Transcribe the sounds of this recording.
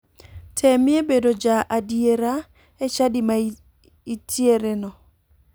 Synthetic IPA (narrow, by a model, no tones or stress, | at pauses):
tʰɛmɪebedod͡ʒaʔadieɾa | et͡ʃadɪma | itʰieɾenɔ